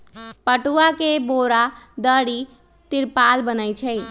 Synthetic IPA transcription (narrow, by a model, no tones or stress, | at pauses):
pəʈuakeboɾad̪əɽi | t̪iɾpalbənəjt͡ʃʰəj